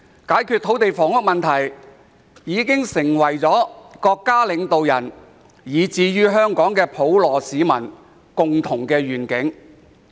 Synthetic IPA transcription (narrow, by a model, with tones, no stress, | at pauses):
kaː˨˥jkʰyː˧t̪ʰo˨˥wt̪e˨jfɔː˨˩ŋʊ˥k̚mɐ˨nt̪ʰɐ˨˩j | jiː˨˥kɪ˥ŋsɪ˨˩ŋwɐ˨˩jt͡sɔː˨˥kɔː˧kːaː˥lɪ˨˧ŋt̪o˨wjɐ˨˩n | jiː˨t͡siː˧ɥyː˥ɦœː˥ŋkɔː˨˥ŋkɛː˧pʰo˨˥wlɔː˨˩siː˨˧mɐ˨˩n | kʊ˨ŋt̪ʰʊ˨˩ŋkɛː˧ɥyː˨˩nkɪ˨˥ŋ